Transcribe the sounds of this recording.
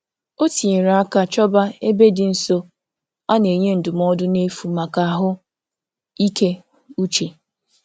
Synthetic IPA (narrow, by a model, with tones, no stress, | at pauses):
o˦ti˨e˨ɾa˨a˦ka˦t͡ʃɔ˦ba˦e˦be˦dɪ˨n̩˦so˦ | a˦ne˨ɲe˦n̩˨dʊ˨m˦ɔ˦dʊ˦ne˦fu˨ma˨ka˨ɦʊ˦ | i˦ke˦ | u˦t͡ʃe˨